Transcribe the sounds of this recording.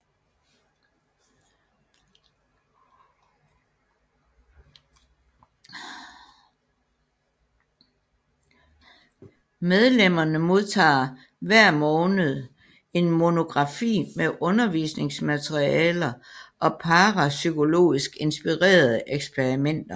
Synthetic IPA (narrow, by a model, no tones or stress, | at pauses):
með̞ˠlem̰ɐnəmo̝ðˠt͡sʰɑ̰̈ː | ʋæɐ̰mɔːnð̞̩ˠ | e̝nmo̝no̝ɡ̥ʁɑ̈fḭːmeʔɔ̽nɐʋḭːsne̝ŋsmæt͡sʰʁiɛːlɐʔɒ̽pʰɑ̈ːʁɑsykʰo̝lo̝̰ːisɡ̥e̝nsb̥iʁḛːɐð̞ˠəʔeɡ̥spʰeʁimen̰d̥ɐ